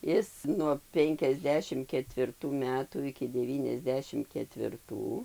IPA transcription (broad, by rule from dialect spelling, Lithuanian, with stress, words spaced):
ˈɪs nuɔ ˌpʲɛŋʲkʲɛzʲˈdʲæːʃʲɪm kʲɛtʲʋʲɪrˈtuː ˈmʲæːtuː ɪkʲɪ dʲɛˌʋʲiːnʲɛzʲˈdʲæːʃʲɪm kʲɛtʲʋʲɪrˈtuː